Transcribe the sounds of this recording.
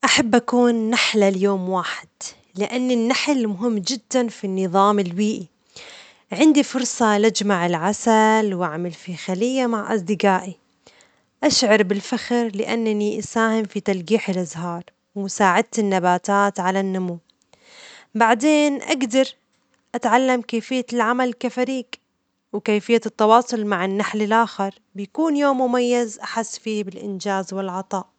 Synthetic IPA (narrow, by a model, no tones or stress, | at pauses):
ʔaħabːʔakuːnːaħlaljoːmwaːħɪ̥d̪̥ | lɪʔanːɪnːaħlmʊɦɪmːd͡ʒɪd̪ːanfinːɨðˤɑːmɪlwiːʔi | ʕɪnd̪ifʊɾsˤɑlad͡ʒmaʕɪlʕasalwʔaʕmalfixalɪjːamaʕʔɑ̰sˤd̪ɪɡaːʔi | ʔaʃʕɑɾˤbɪlfaxɾlɪʔa̰nːaniʔasaːhɪmfit̪alɡiːħɪlʔazɦɑːɾˤ | wmʊsaːʕɪd̪̚t̪ɪnːabaːt̪aːt̪ʕalanːʊmuː | baʕd̪eːnʔaɡd̪ɑɾˤ | ʔat̪ʕalːamkeːfɪjːalʕamalkafaɾiːɡ | wkeːfɪjːat̪ːɑwɑːsˤʊlmaʕɪnːaħlɪlʔaːxɪɾˤ | bjakuːnjoːmːʊmajːazʔaħasːfiːbɪlʔɪ̰nd͡ʒaːzwɪlʕɑt̪ˤɑːʔ